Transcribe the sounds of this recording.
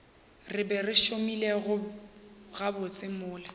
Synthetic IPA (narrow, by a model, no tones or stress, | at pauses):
rɪbɛrɪʃomileɣʊ | ɣabʊt͡sʼɪmʊːla